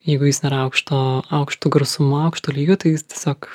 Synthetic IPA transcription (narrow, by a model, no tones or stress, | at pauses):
jɛɪɡʊjɪsnʲɛɾɐʊkʃt̪oːɐʊkʃt̪uːɡɾɐʊsʊmʊɐʊkʃt̪oːlʲiːɡʲoːt̪ɐɪjɪst̪ʲiɛsʲoːk